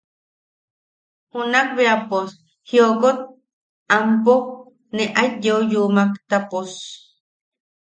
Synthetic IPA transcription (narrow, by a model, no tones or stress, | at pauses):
hunak̚βeapos | hiokot̪̚ | ampo | neʔat̪̚jeojumakt̪apos